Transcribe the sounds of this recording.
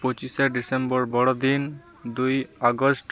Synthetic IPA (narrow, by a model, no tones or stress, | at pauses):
pot͡ʃiseɖisembɔɹbɔɽɔd̪in | d̪ujaɡɔsʈ